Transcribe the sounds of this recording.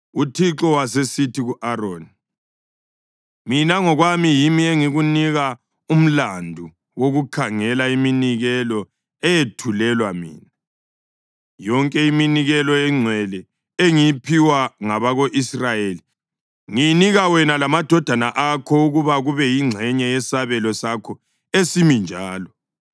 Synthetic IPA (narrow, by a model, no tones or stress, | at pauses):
utʰiǁɔwasesitʰiɣuʔaɾoːni | minaŋɔɣwamijimieŋiɣuniɣa | um̩landʱu | woɣukʰaŋɛlaiminiɣɛlɔ | ɛjetʰulɛlwamḭːna | jɔŋkʼɛiminiɣɛlɔɛŋ͡ǀʱwɛlɛ | eŋijipʰiwaŋaβaɣoʔisrajeli | ŋijniɣawɛnalamad̥ʱɔd̥ʱanaʔakʰɔuɣuβaɣuβɛjiŋ͡ǀʱɛɲɛjɛsaβɛlɔsakʰɔ | esimind͡ʒʱaːlɔ